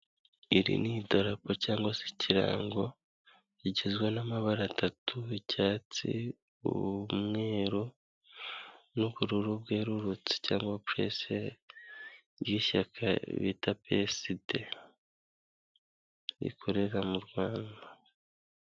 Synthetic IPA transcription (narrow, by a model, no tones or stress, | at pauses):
iɾḭnido̞ɾapocaːŋɡwasi̥cʰiɾa̰ːŋɡo̞ | iɟezɡwenamaβaɾatʰatʰuicaːt͡sḭ | ṵβmŋe̞ːɾo | nuβuɾuɾub̚ɡe̞ːɾuɾut͡si̥caːŋɡwapɾe̞̰se | jiʃakʰa̰βḭtapeside | ḭkʰo̞ɾe̞ɾamuɾɡwaːnda